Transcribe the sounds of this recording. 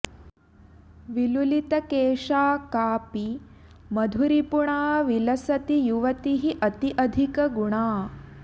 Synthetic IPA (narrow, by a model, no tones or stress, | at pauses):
ʋilulit̪ɐkeːʂaːkaːpi | mɐd̪ʱuɾipuɳaːʋilɐsɐt̪ijuʋɐt̪iɦiʔɐt̪iʔɐd̪ʱikɐɡuɳaː